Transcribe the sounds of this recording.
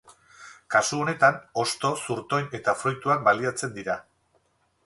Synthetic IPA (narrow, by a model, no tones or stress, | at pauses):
kasuo̞ne̞t̪ano̞st̪o̞suɾt̪o̞jne̞t̪afɾujt̪uak̚baliat͡se̞nd̪iɾa